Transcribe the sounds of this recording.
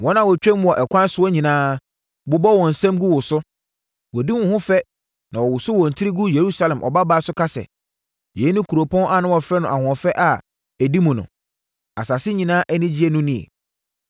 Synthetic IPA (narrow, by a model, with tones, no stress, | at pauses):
wɔ̃˦nã˨wɔ˨t͡ɕᶣɛ̃˦m˦ɔ˨ʔɛ˨kʷʰã˦n˦sʊ˦ɔ˦ɲĩ˨nãː˦ | bʊ˦bɔ˦wɔ̃˨n̩˨sɛ̃˦mɡu˦wʊ˨sʊ˦ | wɔ˨di˦mʊ̃˨hʊ̃˦fɛ˦ | nã˨wɔ˨wʊ˨sʊ˦wɔ̃˨n̩˨tʰɪ˦ɾi˦ɡu˦je˨ɾu˦sa˨lɛ̃˨mʔɔ̰˨ba˦baː˦sʊ˦kʰa˦sɛ̰˨ | jɛ˨˦nʊ̃˦kʰu˨ɾo˨pʰɔ̃˦nʔa˨nʊ̃˦wɔ˨fɾɛ˦nʊ̃˨a˨hʊ̃˨ɔ˨fɛ˦ʔa˨ | æ˨di˦mʊ̃˨nʊ̰̃˨ | a˨sa˨sɪ˦ɲĩ˨nãː˦ʔɛ˦nɪ̃˦d͡ʑi˦ɛ˦nʊ̃˦nĩ˦ḛ˨